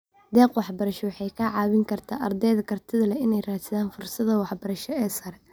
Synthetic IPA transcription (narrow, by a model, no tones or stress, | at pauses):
d̪ɛːqwɑħbɐɾɐʃɔwɑħɑjkʰɐʕɑːβɪŋkʰɐrt̪ʰa̰ːʔɐrd̪ɛjðɐkʰɐrt̪ʰɪðɐlɐɪnɛjraːsɪðaːnfʊrsɐðɐwɑħbɐɾɐʃɔɛːsɐɾɛ